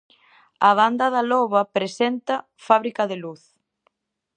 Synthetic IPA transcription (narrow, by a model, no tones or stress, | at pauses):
ɐβ̞and̪ɐðalɔβɐpɾesɛnt̪ɐ | faβɾikɐðeluθ